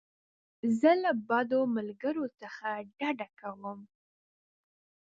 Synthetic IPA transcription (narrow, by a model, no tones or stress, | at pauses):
zəlabɑd̪omalɡəɾot͡səxaɖaɖakawəm